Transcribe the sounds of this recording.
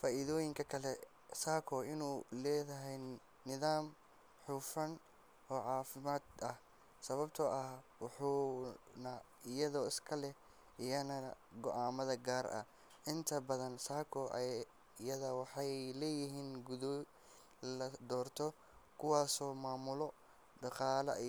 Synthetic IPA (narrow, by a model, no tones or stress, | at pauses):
faːʔɪðɔːjɪŋkʰɐkʰɐlɛ | saːkʰɔɪnuːlɛːðɐɦɛj | nɪðaːm | ħuːfɐn | ɔːʕɑːfɪmaːd̪ɐh | sɐβɐbt̪ʰɐʔɐhwɑħuːnɐ | ɪjɐðɔːɪskʰɐlɛ | ʔɪjɐnɐ | ɡɔʔaːmɐðɐɡaːrɐ̰ | ʔɪnt̪ʰɐbɐðɐnsaːkʰɔʔɐ | jɐðɐwɑħɑjlɛːjɪɦiːnɡʊðɔ | lɐd̪ɔːrt̪ʰɔ | kʰʊwɑːsɔːmaːmʊlɔ | ɖɑqɑːlɐ̰